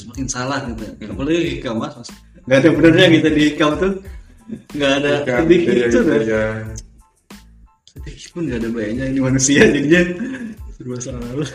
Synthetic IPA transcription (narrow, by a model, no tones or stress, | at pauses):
səmakɪnsalahkit̪ujapalaɡihikamasmas | ŋɡaːdabənərɲakit̪adihikamt̪ʊ | ŋɡaːdadikiaja | sat̪ikpʊnɡaːdabajaʔɲainimanusiad͡ʒədiɲasəɾuasaɾanala